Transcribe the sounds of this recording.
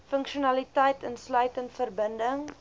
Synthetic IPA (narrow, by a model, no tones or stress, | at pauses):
fəŋkʃiunɐlitəjtʰənslœɥtəntfərbəndəŋ